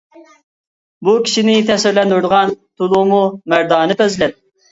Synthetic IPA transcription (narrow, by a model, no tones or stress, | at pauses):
bukʲʰi̥ʃinɪt̪ʰɛsɪɾlɛnd̪uɾd̪əʁɑnt̪ʰulˠumumæɾd̪ɑːnɨp̪ʰøzlɛp̚